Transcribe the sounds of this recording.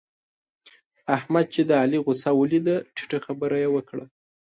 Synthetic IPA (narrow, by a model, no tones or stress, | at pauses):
ahmad̪̚t͡ʃed̪əaliɣʊsawulid̪aʈʰi̥ʈəxabəɾajewəkɽa